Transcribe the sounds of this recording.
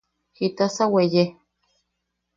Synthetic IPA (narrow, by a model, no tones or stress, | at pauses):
hit̪asaweje